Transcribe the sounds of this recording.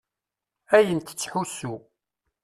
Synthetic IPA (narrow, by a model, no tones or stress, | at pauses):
æjənt̪ə̥t͡sːħusu